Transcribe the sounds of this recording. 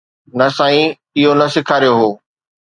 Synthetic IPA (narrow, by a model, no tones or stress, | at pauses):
nɐsãːĩ | ɪɦonɐsɪkʰaːɾijoɦoː